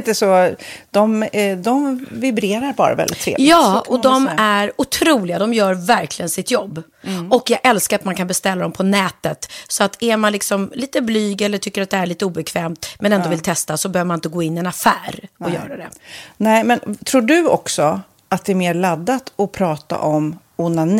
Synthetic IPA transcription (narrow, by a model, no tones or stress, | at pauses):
nt̪əsɔd̪̥ɔmd̪ɔmvɪbɾeːɾaɾbɑ̰ːɾa̰vɛ̰ldɪt̪ʰːɾḛːvjlɑːɔd̪ɔmæɾʊt̪ʰɾuːlɪɡad̪ɔmjœːɾvæɾklɪɡənsɪt̪jɔbː | ɔkjɑɡʔɛlskaɾat̪mankʰanbɛst̪ɛlːad̪ɔmpʰɔnɛːt̪ət̪sɔat̪æɾmanlɪksɔmliːt̪əblyːɡɛlːəʈʰʏkːəɾat̪̚d̪ɛæɭiːt̪əuːbɛkʰvɛːmt̪mɛnɛnd̪oɔvɪlt̪ʰɛst̪asɔbɛhøvəmanɪnt̪əɡoːɪnːɪɛnafæːɾɔjœ̰ːɾad̪ɛnɛmɛnt̪ʰɾuːɖɵɔ̰ksɔ | at̪̚d̪ɛæɾmeːɾɭad̪ːat̪ɔpʰɾɑːt̪a̰ʔɔm | ʊnan